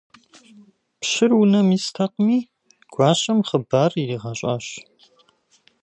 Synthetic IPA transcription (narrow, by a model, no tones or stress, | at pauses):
pɕɪrwunɐmistʰɐq̚miː | ɡ̥ʷɑːɕʼɐmχəbaːririːʁɑɕʼa̰ːɕ